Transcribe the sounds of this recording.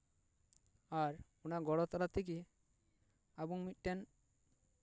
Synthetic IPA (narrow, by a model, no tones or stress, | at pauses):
aɾ | unaɡɔɽɔt̪ɔɾat̪ik̬i | abuŋmit̪̚ˀʈɛn